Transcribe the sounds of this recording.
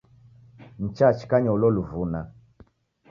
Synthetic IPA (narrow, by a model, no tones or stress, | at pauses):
n̩t͡ʃat͡ʃi̥kaɲɔlɔluvuna